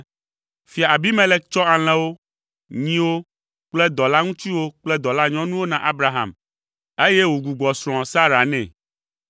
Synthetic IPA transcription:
fi˨a˨a˨bi˦mɛ̃˦lɛ˦k̚t͡ʃɔ˦a˨l̃ɛ̃˦wo˦ | ɲĩ˦wo˦ | k͡plɛ˦d̪ɔ˨la˦ŋũ˦t̪i˦wo˦k͡plɛ˦d̪ɔ˨la˦ɲɔ̃˦nũ˦wo˦nã˨ʔa˦bɾa˨ɦã̰˨m | e˦jɛ˦wu˨ɡu˨ɡ͡bɔ˨sɾ̃ɔ̃˨sa˦ɾa˨nɛ̃˨

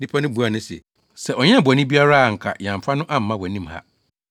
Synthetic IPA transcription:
di˦pʰa˦nʊ̃˦bu˨˦a˨nʊ̃˦sɛ̰˨ | sɛ˨ʔɔ˨ɲ˦ɛ̃˦˨bɔ˨nɪ̃˦bi˦a˦ɾa˦a˨ŋ̩˨kʰa̰˨jã˨m˨fa˦nʊ̃˦ʔã˦m̩ː˨˦ã˦wɔ˨nĩ˦mha̰˦

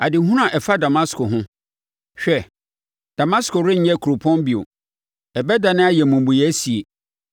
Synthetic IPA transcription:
a˨dɪ˨˦ɦũ˦ɾã˨ʔɛ˨fa˦da˨mã˦skʰʊ˨ɦʊ̃˦ | ɕᶣɛ˦ | d̥a˨mã˦skʰʊ˨ɾɪ̃˦ɲ̩˦ɲɛ˦˨kʰu˨ɾo˨pʰɔ̃˦mbi˨o̰˨ | ɛ˨bɛ˦da˨nɪ̃˦a˦jɛ˨mũ˨m˨bu˨jɛ˨˦si˨e˨

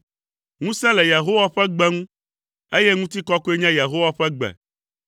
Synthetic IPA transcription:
ŋũ˦sɛ̃˦le˨ja˨ɦo˦wa˦ɸɛ˦ɡ͡bɛ˦ŋũ˦ | e˦je˦ŋũ˦t̪i˦kɔ˦ko˦e˦ɲã˦ja˨ɦo˦wa˦ɸɛ˦ɡ͡bɛ̰˨

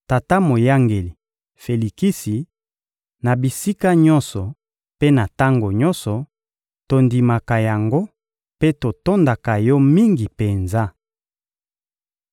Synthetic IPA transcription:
ta˨ta˦mo˨ja˦ŋɡe˨li˨ | fe˨li˨ki˦si˨ | na˨bi˨si˦ka˦ɲɔ˦nsɔ˨ | pe˦na˨ta˦ŋɡo˨ɲɔ˦nsɔ˨ | to˨ndi˨ma˨ka˨ja˨ŋɡo˦ | pe˦to˨to˦nda˨ka˨jɔ˦mi˦ŋɡi˨pe˨nza˦

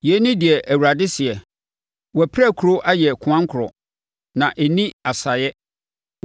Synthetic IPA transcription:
jɛ˨˦nɪ̃˦dɪ˨ɛ˨ʔæ˨wu˨ɾa˨dɪ˦sɪ˨ɛ˨ | wɔ˨pʰɾæ˦˨kʰu˨ɾo˦ʔa˦jɛ˨kʰʊ̃˨ã˦ŋ˦kʰʊ˨ɾɔ̰˨ | nã˨ʔɛ˨nĩ˦a˨sa˨jɛ˦

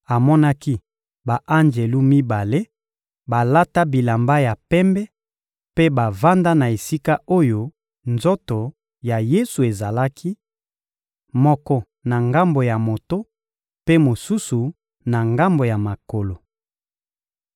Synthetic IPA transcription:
a˨mɔ˦na˦ki˦ | ba˨ʔa˦nd͡ʒe˨lu˦mi˦ba˨le˦ | ba˨la˦ta˦bi˨la˨mba˦ja˨pɛ˦mbɛ˦ | pe˦ba˨va˦nda˦na˨e˨si˦ka˦ʔo˦jo˦ | nzo˦to˨ | ja˨je˦su˨e˨za˨la˦ki˦ | mɔ˦kɔ˦ | na˨ŋɡa˦mbo˨ja˨mo˨to˦ | pe˦mo˨su˦su˨ | na˨ŋɡa˦mbo˨ja˨ma˨ko˨lo˨

